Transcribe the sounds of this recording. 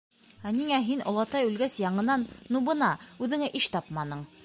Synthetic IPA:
æniŋæɦinʔŏ̰lˠɑt̪ɑjʉlɡæsjɑɴɤ̆nɑnnːubɤ̆nɑʉðɘ̆ŋæʔiʃt̪ɑpmɑnɤɴ

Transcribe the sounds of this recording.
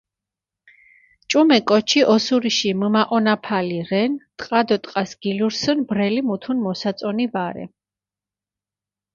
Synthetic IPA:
t͡ʃʼumɛkʼɔt͡ʃʰiʔɔsuɾiʃiməmaʔɔnapʰaliʁɛnt̪ʼqʼad̪ɔt̪ʼqʼasɡ̥iluɾsənbɾɛlimut̪ʰunmɔsat̪sʼɔnivaɾɛ̰

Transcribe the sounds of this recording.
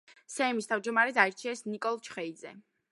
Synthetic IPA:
sɛːmist̪ʰavd͡ʒd̪ɔmaɾɛd̪aɛɾt͡ʃʰiɛsnikʼɔlˠt͡ʃʰχɛid̪zɛ̰

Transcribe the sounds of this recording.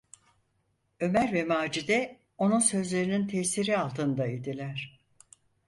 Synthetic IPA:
ø̞mæɾvɛmaːd͡ʒid̪ɛ | o̞nunsø̞zlʲe̞ɾinint̪ʰɛsiɾialˠt̪ʰɯnd̪aid̪ilʲæɾ̥

